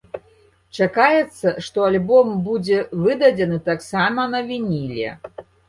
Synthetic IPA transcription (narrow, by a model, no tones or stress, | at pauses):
t͡ʂakajɛt̪sːɐʂt̪ɔalʲbɔmbud͡zʲɛvɨd̪ɐd͡zʲɛnɨt̪aksamɐnɐvʲinʲilʲɛ̰